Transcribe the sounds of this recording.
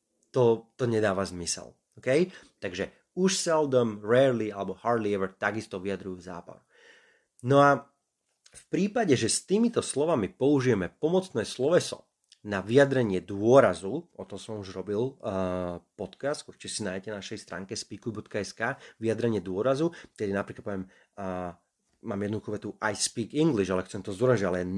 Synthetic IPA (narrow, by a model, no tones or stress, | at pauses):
t̪ɔt̪ɔɲɛd̪aːʋazmisɛ̰l | ɔkɛjt̪aɡʒɛ | uʃsɛld̪ɔmɾɛːɾlialɛbɔhaɾd̪liɛʋɛɾt̪aɡist̪ɔʋijad̪ɾujuːza̰ːpa̰ | nɔa | fpɾiːpaɟɛʒɛst̪iːmit̪ɔslɔʋamipɔuʒijɛmɛpɔmɔt͡snɛːslɔʋɛsɔ̰ | naʋiad̪ɾɛɲɪɛd̪ʊɔɾazuɔt̪ɔsɔmuʒɾɔbil | pɔt̪kast̪kut͡ʃiɛsinaːjɛcɛnaʃɛjst̪ɾʔa̰ːŋkɛspiːkubɔt̪kaɛskaːʋiad̪ɾɛɲɪɛd̪ʊɔɾazuk̪ɛd̪inapɾiklat̪pɔʋɛm | maːmjɛd̪nɔd̪uxɔʋɛt̪uʔajspiːkiŋɡliʒalɛxtt͡sɛmt̪ɔzd̪ɔɾaialɛɛ